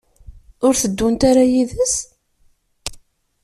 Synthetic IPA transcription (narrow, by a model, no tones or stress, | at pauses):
ʊɾθəd̪ːunt̪aɾajiðəs